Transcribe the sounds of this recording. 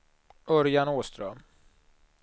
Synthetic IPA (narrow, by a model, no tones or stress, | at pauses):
ɵɾjanoːst̪ɾœm